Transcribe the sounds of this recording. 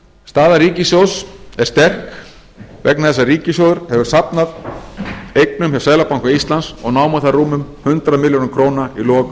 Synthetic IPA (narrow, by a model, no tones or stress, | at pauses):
st̪aːðaɾiːcɪsjowsɛɾ̥st̪ɛr̥k | vɛ̰knaðɛsːariːcɪs̬jowðʏɾ̥hɛvʏɾ̥sapnað | ejknʏmçjawsaːjlapawŋkaist̪lansɔɣnaːwmaθaruːmʏmhʏnt̪ɾamɪljoːnmkʰɾoːwnailɔːk